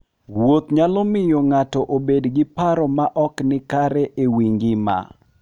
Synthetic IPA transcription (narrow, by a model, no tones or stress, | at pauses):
wot̪ɲalɔmɪjɔŋatɔʔobedɡɪpaɾɔmaʔɔknɪkaɾɛʔewiŋɡɪma̰